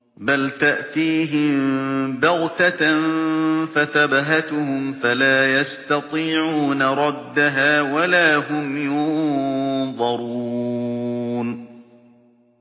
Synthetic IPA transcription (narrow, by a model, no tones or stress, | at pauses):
balt̪aʔt̪iːɦɪmbaɣt̪anfat̪abaɦat̪ʊhʊmfalaːjast̪ɑt̪ˤiːʕuːnaɾˤɑd̪ːaɦaːwalaːɦʊmjjʊn | ðˤɑɾuː | n